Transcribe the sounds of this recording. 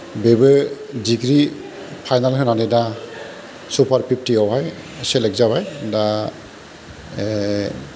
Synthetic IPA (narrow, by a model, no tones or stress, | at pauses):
bebe | diɡɹi | pʰajnalɦɛnanida | supʰaɹpʰip̚ʰtiɔɦaj | sɛlɛkzabajda